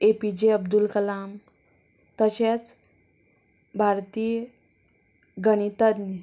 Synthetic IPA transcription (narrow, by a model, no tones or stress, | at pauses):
epid͡ʑeəbd̪ulkəlam | t̪əɕet͡s | bʱaɾt̪iː | ɡəɽ̃it̪əd̪ni